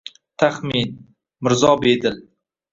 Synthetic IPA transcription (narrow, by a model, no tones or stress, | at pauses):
t̪ʰaχmin | mɪɾzɒbed̪ɪl